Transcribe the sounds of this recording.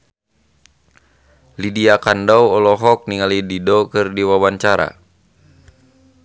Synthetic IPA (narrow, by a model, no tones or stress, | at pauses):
lidiakandawɔlɔɦɔk̚niŋalididɔkɨrdiwawaɲt͡ʃaɾa̰